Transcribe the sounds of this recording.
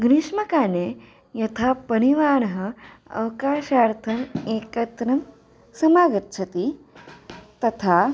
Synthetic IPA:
ɡɾiʂmɐkaːne | jɐt̪ʰapɐɾ̃iʋaːñɦɐ̆ | ɐ̰wkaːʃaːɾt̪ʰɐmeːkɐt̪ɾɐm | sɐmaːɡɐt̪t͡ʃʰɐt̪i | t̪ɐt̪ʰa

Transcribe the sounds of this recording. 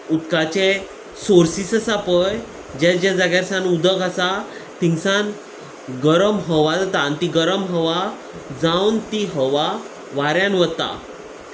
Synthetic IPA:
ut̪kat͡ɕe | soɾsisəsapəj | d͡ʑad͡ʑjad͡zaɡaɾsãnud̪əkasat̪ĩŋɡsãn | ɡəɾəmɦəʋad͡zat̪ant̪iɡəɾəmɦəʋa | d͡zawnt̪iɦəʋa | ʋaɾjãnʋət̪ːa̰

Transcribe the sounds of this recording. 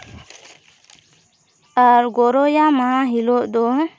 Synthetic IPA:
əɾɡoɾojamaɦiloʔd̪ɔɦ

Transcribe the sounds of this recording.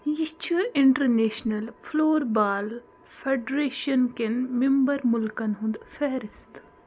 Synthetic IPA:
jit͡ʃʰuɪɳʈɐɾneːʃnɐlfʰloːɾbaːl | fʰeɖɾeːʃɐnkenmembɐɾmʊlkɐnɦũnd̪fʰeːɾist̪

